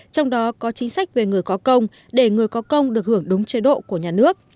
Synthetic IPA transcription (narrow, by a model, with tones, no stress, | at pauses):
t͡ɕɔ˧wŋ͡mɗɔ˨˦kɔ˨˦t͡ɕi˨˦ŋ̟sa˦˥jk̟̚ve˨˩ŋɨ˨˩əjkɔ˨˦kə˧wŋ͡m | ɗe˧˩ŋɨ˨˩əjkɔ˨˦kə˧wŋ͡mɗɨ˨˩ək̚hɨ˧˩əŋɗʊ˨˦ŋ͡mt͡ɕe˨˦ɗo̰˧˨ku˧˩əɲaː˨˩nɨ˦˥ək̚